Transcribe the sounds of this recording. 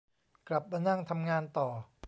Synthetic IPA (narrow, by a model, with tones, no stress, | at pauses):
kla˨˩p̚ːa˧na˥˩ŋt̪ʰa˧mŋaː˧nt̪ɔː˨˩